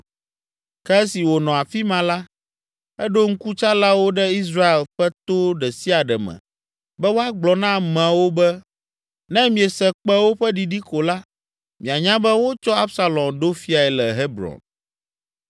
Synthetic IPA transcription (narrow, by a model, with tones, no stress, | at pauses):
kɛ˦ɛ˦si˨wo˨nɔ̃˨a˨fi˦mã˨la˦ | ɛ˦ɖo˦ŋ̩˦ku˦t͡ʃa˦la˦wo˦ɖɛ˦i˦sɾa˦e˨lɸɛ˦t̪o˦ɖɛ˨si˦a˨ɖɛ̰˨mɛ̰̃˨ | bɛ˦wo˦a˦ɡ͡blɔ˨nã˦mɛ̃˨wo˦bɛ˦ | nɛ̃˦mĩ˨e˨sɛ˨k͡pɛ˦wo˦ɸɛ˦ɖi˨ɖi˦ko˨la˦ | mĩ˨a˨ɲã˦bɛ˦wo˦t͡ʃɔ˦a˦bsa˦lɔ̃˨mɖo˦fi˦a˨ɛ˨lɛ˨ɦe˦bɾɔ̰̃˨n